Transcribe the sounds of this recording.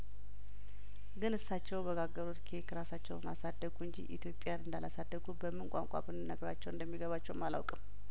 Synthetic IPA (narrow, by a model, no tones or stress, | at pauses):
ɡɨnɨsːat͡ʃːɛwbəɡaɡːəɾot̪kʰiekʰəɾasat͡ʃːɛwma̰sad̪ːəɡuɨɲd͡ʒḭʔit̪ʰjo̞pʼːjanɨnd̪alasad̪ːəɡubəmːɨŋkʷʼa̰ŋkʼa̰bɨnɨnəɡɾat͡ʃːɛwɨnd̪əmːiɡəβat͡ʃːɛwmala̰wkʼɨm